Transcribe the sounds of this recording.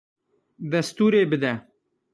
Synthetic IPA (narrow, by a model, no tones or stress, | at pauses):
d̪ɐst̪uːɾeːbɨd̪ɛ